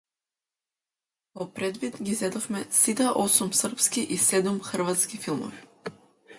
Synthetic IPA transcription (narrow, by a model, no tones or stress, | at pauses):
vɔpɾɛd̪vid̪ɡizɛd̪ɔfmɛsit̪aʔosumsr̩pskiʔisɛd̪umxr̩vat̪skifilˠmɔ̰vi